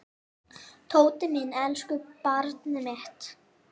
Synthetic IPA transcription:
t̪ʰoːwt̪ɪmɪnɛlskʏpaɾt̪nɪmɛht̪

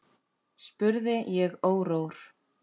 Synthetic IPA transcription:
spʏɾðɪjɛɣoːwɾowɾ̥

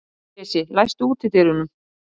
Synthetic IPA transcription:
ɛsɪlajst̪uːt̪ʰɪlt̪eːɾʏnʏm

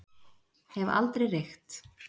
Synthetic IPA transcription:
hɛva̰lt̪ɾejrejxt̪

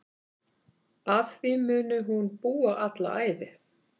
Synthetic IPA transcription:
aðvimʏːnʏɦunpuːaʔat̪la̰ʔaːjvɪθ

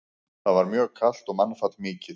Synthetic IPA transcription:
θaðvaɾmjœːɣkʰal̥t̪ɔɣmanfat̪mɪːcɪð

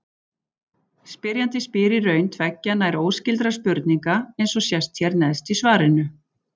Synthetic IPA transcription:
spɪɾjant̪ɪspɪːɾɪɾœɥnt̪ʰvɛcːanajɾoːwscɪlt̪ɾaspʏɾt̪niŋkaejnsɔsjɛst̪çɛɾnɛðst̪isvaːɾɪnʏ

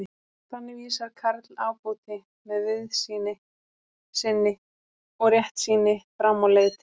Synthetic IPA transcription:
θanːɪviːsaɾ̥kʰaɾt̪laːwpoːt̪ɪ | mɛðvɪðsiːnɪ | sɪnːɪ | ɔɣrjɛht̪siːnɪfɾamːaleːjɣt̪

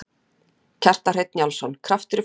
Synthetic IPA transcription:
cʰar̥t̪ar̥ejt̪̚njawlsɔnːkʰɾaft̪ɪɾʏ

